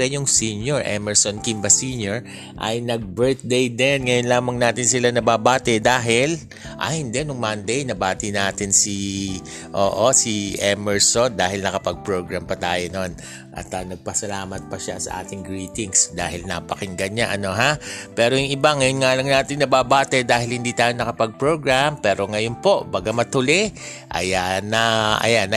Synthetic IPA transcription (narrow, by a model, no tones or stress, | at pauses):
ɛɲjʊŋsiːnjoɹʔɛ̰mɛɹsonkimbɐsiːnjoɹ | ʔɐ̰jnɐɡ̚bɛɹt̪̚d̪ejd̪ɛnŋɐjonlaːmɐŋnaːt̪ɪnsɪlanɐbaːbaːt̪ɛd̪aːɦɪl | ʔɐ̰hɪnd̪ɛnʊŋmand̪ɛjnɐbaːt̪ɪnaːt̪ɪnsi | ʔo̰ːʔosiʔɛmɛɹsond̪aːɦɪlnɐkɐpɐɡ̚pɹo̞ɡɹampɐt̪aːjono̞n | ʔɐ̰t̪ɐnɐɡ̚pɐsɐlaːmɐt̪̚pɐʃa̰sɐ̰ʔa̰ːt̪ɪŋɡɹiːt̪ɪŋsd̪a̰ːhɪlnɐ̰pɐkɪŋɡɐɲaʔɐno̞ɦapɛːɾojʊŋɪbaŋɐjonŋaːlɐŋnaːt̪ɪŋnɐbabaːt̪ɛd̪aːɦɪlhɪnd̪iːt̪aːjo̞nɐkɐpɐɡ̚pɹoːɡɹampɛːɾo̞ŋɐjonpo̞ʔbaɡɐmɐt̪ʊlɛ | ʔɐ̰janɐʔɐ̰janːɐ